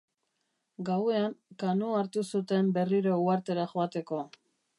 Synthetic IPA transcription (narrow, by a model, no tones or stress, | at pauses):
ɡawe̞aŋkanuaɾt̪usut̪e̞mbe̞riɾouaɾt̪e̞ɾaxoat̪e̞ko̞